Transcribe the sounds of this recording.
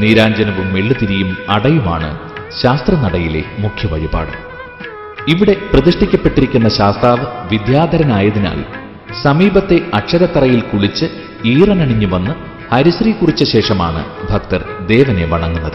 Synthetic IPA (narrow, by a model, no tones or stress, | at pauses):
niːɾaːɲd͡ʑɐnɐʋumːiɭːɨt̪iɾijumɐɽɐjuma̰ːɳɨ̰ | ɕaːst̪rɐnɐɽɐjile̞̰mukʰjɐʋɐ̰jɐba̰ːɽɨ̰ | iʋiɽe̞prɐðiʂʈikʲːɐpːe̞ʈːiɾikʲːunːɐɕaːst̪ɾaːʋɐʋid̪jaːd̪ʱɐɾɐnaːjɐðina̰ːl | sɐmiːbɐt̪ːe̞ʔɐkʂɐɾɐt̪ɐrɐjilkuɭit͡ɕːɨ | iːrɐnɐɳiɲːuʋɐnːɨ | hɐɾisriːkurit͡ɕːɐɕe̞ːʂɐma̰ːɳɨ̰ | bʱɐk̚t̪ɐrd̪e̞ːʋɐne̞ʋɐɳɐŋːunːɐðɨ